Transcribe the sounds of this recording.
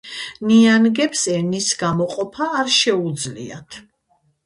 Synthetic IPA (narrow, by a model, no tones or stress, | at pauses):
nianɡɛpsɛnisɡamɔqʼɔpʰaːɾʃɛud̪zlḭa̰t̪ʰ